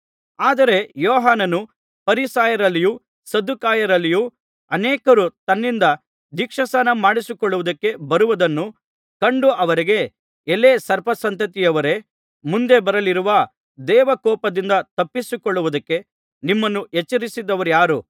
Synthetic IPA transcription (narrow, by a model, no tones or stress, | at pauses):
aːd̪ɐɾe̞jɔːɦaːnɐnu | pɐɾisaːjɐɾɐlːiju | sɐd̪ukaːjɐɾɐlːiju | ɐnɛːkɐɾut̪ɐnːind̪ɐ | d̪ikʂɐsɐnɐmaːɽisikɔɭːuʋɐd̪ɐkːe̞bɐɾuʋud̪ɐnːu | kɐɳɖuɐʋɐɾiɡe̞ː | lesɐɾpɐsɐnt̪ɐt̪ijɐʋɐɾe̞ | mund̪e̞bɐɾɐliɾuʋɐ | d̪ɛːʋɐkɔːpɐd̪ind̪ɐt̪ɐpːisukɔɭːuʋud̪ɐkːe̞ | nimːɐnːuʔet͡ʃːɐɾisid̪ɐʋɐɾjaːɾu